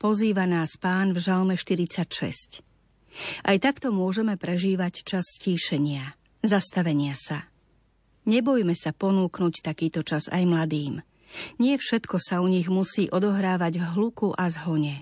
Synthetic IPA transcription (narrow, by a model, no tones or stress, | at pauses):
pɔziːʋanaːspaːnvʒalmɛʃt̪iɾit͡sacʃɛ̰sc | ʔajt̪akt̪ɔmʊɔʒɛmɛpɾɛʒiːʋact͡ʃasːciːʃɛɲɪa | zast̪aʋɛɲɪasa | ɲɛbɔjmɛsapɔnuːknuct̪akiːt̪ɔt͡ʃaza̰jmlad̪iːm | ɲɪɛfʃɛt̪kɔsauɲiɣmusiːʔɔd̪ɔɦɾaːʋaɟvɦlukuʔazɦɔɲɛ